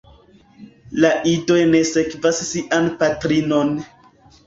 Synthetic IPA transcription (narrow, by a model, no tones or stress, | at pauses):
laʔido̞jne̞se̞kvasːiʔanpatɾino̞n